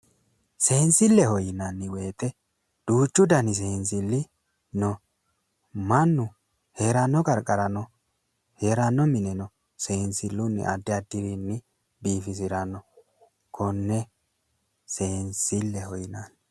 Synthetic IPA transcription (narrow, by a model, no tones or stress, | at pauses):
se̞ːnsɪlːɛhɔjɪnanːɪwe̞ːt̪ɛ | d̪̥uːt͡ʃʼːʊd̪ɐnɪs̬e̞ːns̬ɪlːɪ | nɔ | mɐnːʊ | heːɾɐnːɔkʼɐɾkʼɐɾɐnɔ | heːɾɐnːɔmɪnɛnɔ | seːnsɪlːʊnːɪ̰ʔɐ̰d̪ːɪɐd̪ːɪɾinːɪ | biːfɪs̬ɪɾɐnːɔ | kʰɔnːɛ | seːnsɪlːɛhɔjɪnan